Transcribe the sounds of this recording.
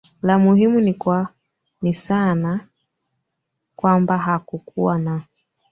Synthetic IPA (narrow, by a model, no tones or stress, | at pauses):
lamuhimunikwa | nisana | kwambaɦakukuwana